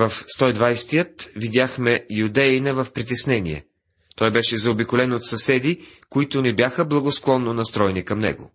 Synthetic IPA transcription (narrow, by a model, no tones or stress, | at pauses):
vɐfst̪ɔid̪vajst̪ijət̪vid̪ʲjaxmɛjud̪ɛinɐvɐfpɾit̪ɛsnɛniɛ̰ | t̪ɔjbɛʃɛzɐobikʊlɛnot̪sɐsɛd̪ikoit̪ʊnɛbjaxəblˠɐɡosklˠɔnːonɐst̪ɾɔɛnikɐmnɛ̰ɡʊ̰